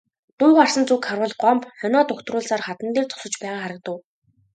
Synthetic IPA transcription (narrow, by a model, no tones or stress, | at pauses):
t̪uːʁar̥sə̆nt͡sukχarwə̆ɮɢɔmpχœnɔːt̪ʊxt̪rʊːɮsaːrχat̪ə̆nt̪eːrt͡sɔ̥sə̆t͡ɕpæːʁaːχaɾə̆k̚t̪ə̆w